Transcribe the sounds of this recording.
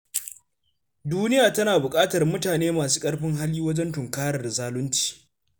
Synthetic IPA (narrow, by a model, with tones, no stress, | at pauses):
duː˦nɪ˦jaː˨tɐ˦naː˨bʊ˨kʼaː˦tɐ˨rmʊ˦taː˨neː˦maː˨s̬u̥ː˦kʼɐ˦rɸɪ˦ŋɦa˦liː˦wɐ˦d͡ʒɛ˦ntʊ˨ŋkaː˦ɾɐ˨dzaː˦lʊ˦nt͡ʃi̥ː˨